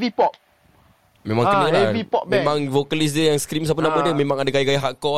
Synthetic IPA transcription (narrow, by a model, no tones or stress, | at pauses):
vipɔp̚ | mẽmãŋkəəlavipɔʔmẽmãŋvokəlis̬dəjaŋskɾims̬ap̬ənamədəmẽmãŋadakajakajaɦaʔkɔ